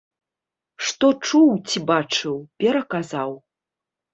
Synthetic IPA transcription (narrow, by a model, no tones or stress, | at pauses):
ʂt̪ɔt͡ʂuwt͡sʲibat͡ʂɨwpʲɛɾɐkazaw